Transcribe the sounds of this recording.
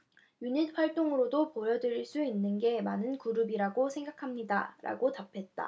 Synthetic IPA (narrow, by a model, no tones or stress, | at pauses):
juɲinɸwaɭt͈oŋɯɾodopojʌdɯɾiɭs͈uinːɯnɡe̞manɯnkuɾɯbiɾaɡosʰe̞ŋɡakʰamɲida̰ɾʔa̰ɡotapʰe̞t̚t͈a̰